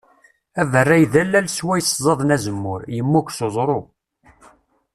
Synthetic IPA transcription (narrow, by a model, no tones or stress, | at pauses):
ævərːæjðælːælswæjszˤɑðˤnæzəmːʊɾjəmːukʷsozˤɾˤo